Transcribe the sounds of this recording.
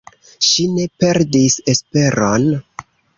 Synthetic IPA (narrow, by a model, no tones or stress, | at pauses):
ʃine̞pe̞ɾdise̞spe̞ɾon